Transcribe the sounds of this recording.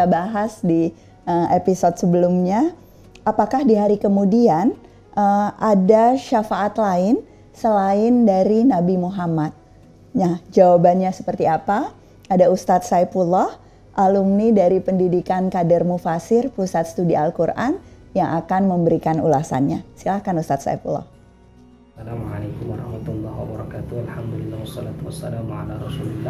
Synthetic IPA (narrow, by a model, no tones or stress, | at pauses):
abaɦasdi | əʔepisɔd̪̚səbəlumɲa | apakahdiɦaɾikəmudian | əʔadaʃafaʔat̪laɪn | səlaɪndaɾinabimuɦamat̪̚ | nahd͡ʒawabanɲasə̥pərt̪iapa | adaust̪at̪̚sajpulɔh | ʔalumnidaɾipəndidikankadərmufasɪrpusat̪̚st̪udialkurʔa̰n | jaŋakanməmbəɾikanṵlasa̰nɲasilahkanust̪at̪sa̰ipṵlɔ̰h | salamʕalekumwaɾˤɑhmat̪ulːahwabɔɾɑkat̪ualhamd̪ulilːahwɔsːɔlat̪uasːalamʕa̰laɾˤɔsulilːa